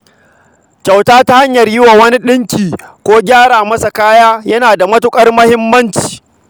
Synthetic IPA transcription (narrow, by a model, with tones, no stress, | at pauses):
kʲa˨wtaː˦ta˦ha˦ɲjɐ˨rjɪ˦wa˨wɐ˦ni˦ɗɪ˦ŋkʲiː˨kʷoː˦ɡʲaː˦ɽaː˨mɐ˦sa˨kaː˦jaː˦jɐ˦naː˨da˨mɐ˦tʊ˦kʼɐ˦rmɐ˦hɪ˦mːɐ˦nt͡ʃi̥ː˨